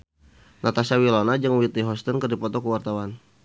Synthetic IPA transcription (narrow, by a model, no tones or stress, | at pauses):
nʔat̪asawilɔnad͡ʒɨŋwit̪iɦɔst̪ɔnkərdipɔt̪ɔkəwart̪awan